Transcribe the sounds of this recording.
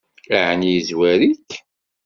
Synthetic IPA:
laʕnjizwæɾikː

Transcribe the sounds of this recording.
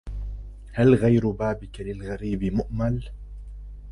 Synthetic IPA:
halɣajɾʊbaːbɪkalɪlɣaɾiːbɪmʊʔmal

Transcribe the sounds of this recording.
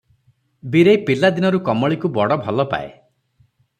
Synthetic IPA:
biɾejpilad̪inɔɾukɔmɔɭikubɔɽɔbʱɔlɔpa̰ḛ

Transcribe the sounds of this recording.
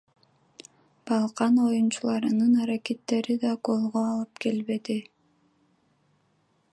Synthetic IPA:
b̥ɑlˠqɑno̞junt͡ʃulˠɑɾɯnɯnɑɾakʲe̞t̪ːe̞ɾid̪ɑɡo̞lˠʁoɑlˠɯpke̞lβe̞d̪i

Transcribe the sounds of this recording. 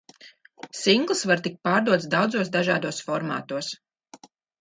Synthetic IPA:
siŋɡlˠɨsvaɾt̪ik̚paːɾd̪uɔt̪sd̪awd̪zuɔsd̪aʒaːd̪uɔsfɔɾma̰ːt̪uɔs

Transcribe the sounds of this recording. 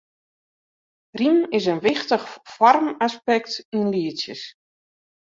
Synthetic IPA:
rimɪs̬ənʋɪxtəxfɔrmaspɛk̚tinliəsjə̰s

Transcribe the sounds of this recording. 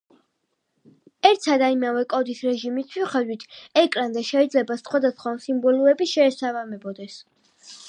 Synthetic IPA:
ɛɾt̪sʰad̪aimavɛkʼɔd̪isɾɛʒimist̪ʰwiχɛd̪wit̪ʰɛkʼɾand̪aʃɛid̪zlɛbasχwad̪asχwamsimbɔlˠuɛbiʃɛːsavamɛbɔd̪ɛs

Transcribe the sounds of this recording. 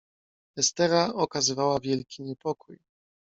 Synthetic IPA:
ɛst̪ɛɾaɔkazɘvawavʲjɛlkʲiɲɛpɔkuj

